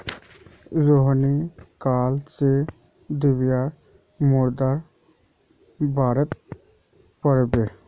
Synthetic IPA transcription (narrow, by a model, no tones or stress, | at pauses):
ɾoɦnikaːlt͡ʃe | d̪ɪbjaɾ | mʊɾd̪aɾ | baːɾət̪̚ | pəɾbe